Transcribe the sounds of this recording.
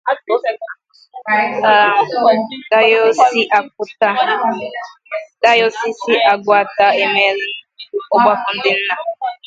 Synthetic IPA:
a˨ | da˦jsi˦ʔa˨k̚ʊ˦ta˦ | da˦jo˦si˦si˦ʔa˨ɡʷʊ˦a˨ta˦e˦me˦ɾɪ˦ʊ˦ɡ͡ba˦fʊ˨˦n̩˦dɪ˦n̩˦na˨

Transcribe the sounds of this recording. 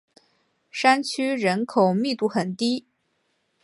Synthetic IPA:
ʂa˥nt͡ɕʰy˥ɻə˧˥nkʰo˨˩ʊmi˥˧t̪u˥˩xə˨˩nt̪i˥

